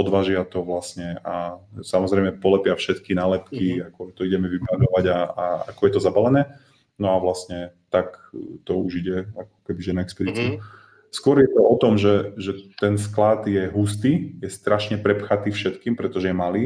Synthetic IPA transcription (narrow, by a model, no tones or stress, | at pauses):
ɔd̪ʋaːʒɪat̪ɔʋlasɲɛasamɔzɾɛjmɛpɔlɛpɪafʃɛt̪kinalɛpkiakɔt̪ɔiɟɛmɛʋibanɔʋaɟaaa̰kɔjɛt̪ɔzabalɛnɛː | nɔaʋlasɲɛt̪akt̪ɔuʒiɟɛakɔ̥kɛbiʒɛnaɛkspɛd̪it͡siu | skʊɔɾjɛt̪ɔɔt̪ɔmʒɛʒɛt̪ɛnsklad̪jɛɦust̪iːjɛst̪ɾaʃɲɛpɾɛpxat̪iːfʃɛt̪kiːmpɾɛt̪ɔʒɛjɛmaliː